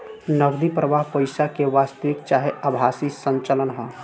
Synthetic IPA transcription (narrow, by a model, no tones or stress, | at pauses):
nəɡd̪ipɾəʋaːɦpəɪsakeʋaːst̪əʋɪk̚t͡ʃaːɦeəbʱaːsisə̃ɲt͡ʃələnɦɛ